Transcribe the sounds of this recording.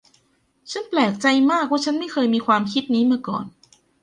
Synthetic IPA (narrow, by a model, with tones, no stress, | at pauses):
t͡ɕʰa˦˥nplɛː˨˩k̚t͡ɕa˧jmaː˥˩k̚waː˥˩t͡ɕʰa˦˥nma˥˩jkʰɤː˧jmiː˧kʰwaː˧mkʰi˦˥t̪̚niː˦˥mɯ˥˩əkɔ̰ː˨˩n